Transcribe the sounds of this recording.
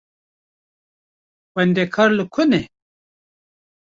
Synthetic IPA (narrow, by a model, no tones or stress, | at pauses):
wɐnd̪ekʰaɾlukʰune